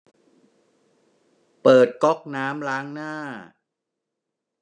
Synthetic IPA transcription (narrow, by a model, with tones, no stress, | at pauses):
pɤː˨˩t̪̚kɔ˦˥k̚naː˦˥mlaː˦˥ŋnaː˥˩